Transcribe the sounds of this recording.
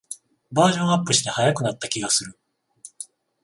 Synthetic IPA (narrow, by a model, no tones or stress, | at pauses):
baːʑõ̞ɰ̃apːɯ̟ɕi̥t̪e̞hajakɯ̟nat̪ːakʲiɡasɨɾɯ̟